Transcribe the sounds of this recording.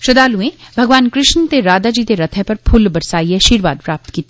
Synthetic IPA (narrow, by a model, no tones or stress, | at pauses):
ʃɐd̪aːluẽbʱɐɡʋaːnkɾɪʃnt̪eɾaːd̪ad͡ʒiːt̪eɾɐt̪ʰɛpɐɾpʰʊlbɐɾsaːieʃiːɾʋaːd̪pɾaːp̚t̪kiːt̪ː